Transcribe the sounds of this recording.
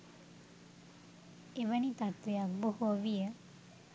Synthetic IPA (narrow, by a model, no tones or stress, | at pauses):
eʋənit̪at̪ʋejak̚bohoʋijə